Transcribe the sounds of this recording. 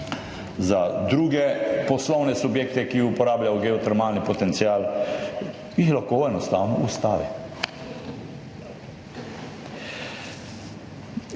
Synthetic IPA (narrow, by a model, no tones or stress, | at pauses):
zad̪ɾuːɡɛpɔslɔwnɛsubjeːkt̪ɛkiupɔɾaːblʲjajɔɡɛɔt̪ɛɾmaːlnipɔt̪ɛnt̪sijaːl | jixlaxkoɛnɔst̪aːwnɔust̪aːʋḭ